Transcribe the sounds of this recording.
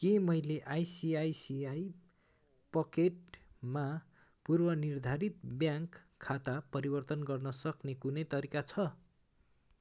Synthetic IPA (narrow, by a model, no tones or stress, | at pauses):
kemʌjleʔajsiajsiaj | pʌkeʈma | purbʌnird̪ʱaɾit̪̚bjãŋkʰːat̪apʌɾibʌrt̪ʌnɡʌrnʌsʌknekunʌjt̪ʌɾikat͡sʰʌ